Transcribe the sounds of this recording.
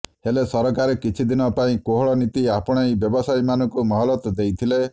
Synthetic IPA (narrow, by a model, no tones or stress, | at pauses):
helesɔɾɔkaɾekit͡ʃʰid̪inɔpaĩkoɦɔɭɔnit̪iapɔɽ̃ajbjɔbɔsajmanɔ̃ŋkumɔɦɔlɔt̪d̪ejt̪ʰile